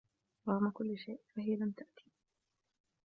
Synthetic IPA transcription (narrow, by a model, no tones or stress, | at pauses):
waʔamːakʊlːɪʃajʔfaɦɪjalamt̪aʔt̪i̥